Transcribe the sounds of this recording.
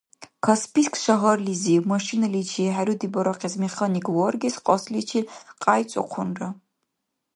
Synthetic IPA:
kʰaspʰiskʰʼʃaʁɐrliziwmaʃinalit͡ʃʰiħaɾud̪ibɐɾɐqʰʼezmeχanikʼwɔrɡʲisqʼɔslit͡ʃʰiqʼajt͡sʼɔ̰qʷʰʊnrɐ

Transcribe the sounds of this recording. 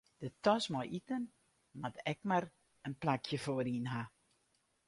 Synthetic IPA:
d̥ətɔsmɔjʔitən | matɛkmar | ənplakʰjəfoəɾinɦa

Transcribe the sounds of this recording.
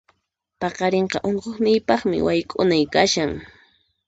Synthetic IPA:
pɑqɑɾeɴqɑʔoɴqoχnɪjpɑχmɪ̰wajkʼʊnajkaʃaŋ

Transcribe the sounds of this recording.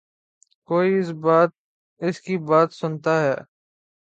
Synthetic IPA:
koːiɪsbaːt̪̚ | ɪskibaːt̪sʊnt̪aɦɛː

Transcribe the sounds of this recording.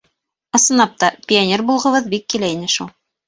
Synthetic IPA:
ɤ̆sɤ̆nɑp̚t̪ɑpʲɪonʲerbulˠʁɤ̆βɤðbikːilæinɘʃulˠ

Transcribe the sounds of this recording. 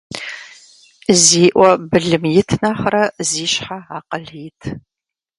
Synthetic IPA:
ziːʔʷɔbɨɮɨmjɪtʰnɐχrɐziːɕħaaːqɐɮiːtʰ

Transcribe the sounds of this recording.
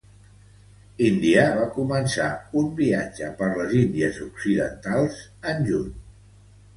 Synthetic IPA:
ind̪iaβakumənsaumbiad͡ʒəpəɾləzind̪iəzuksiðə̰nt̪alˠzənʲʒuɲ

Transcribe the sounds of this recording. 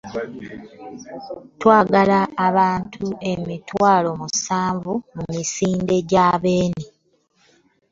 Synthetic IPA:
twaːɡalaːβaːntʰue̞mitwaːlo̞musaːɱvumumisiːnde̞ɟaːβe̞ːni

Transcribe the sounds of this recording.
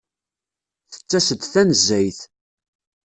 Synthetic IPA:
θə̥t͡sːæsəd̪θænəzːæjθ

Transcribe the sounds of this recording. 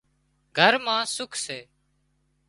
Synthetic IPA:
ɡʱəɾmãːsʊkʰseː

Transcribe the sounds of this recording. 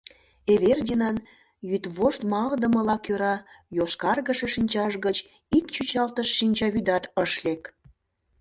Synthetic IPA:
eβerdʲinɑn | jyt̪βoʃt̪mɑld̪əməlɑkøɾɑjoʃkɑrɣəʃeʃinʲt͡ɕɑʃɣət͡ɕ | ikt͡ɕyt͡ɕɑlt̪əʃːinʲt͡ɕɑβyd̪ɑt̪əʃlek

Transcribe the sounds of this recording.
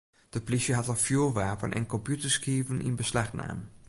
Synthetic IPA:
d̥əplisjəɦɑtɑlˠfjyːlʋaːpənʔɛ̰nkɔmpjutəɹskiːvənʔɪ̰nbəslaχna̰ːm

